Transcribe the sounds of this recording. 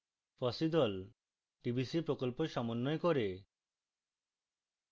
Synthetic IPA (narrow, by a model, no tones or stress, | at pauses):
fɔsid̪ɔl | ʈibʱisipɾokolpoʃɔmonːoekoɾe